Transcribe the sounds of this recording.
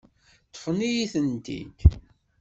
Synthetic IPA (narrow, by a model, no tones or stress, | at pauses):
t̪ːfnijiθənt̪ḭk